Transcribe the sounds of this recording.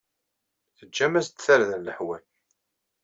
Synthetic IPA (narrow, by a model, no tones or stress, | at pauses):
θəd͡ʒːæmæst̪θæɾðæləħwæl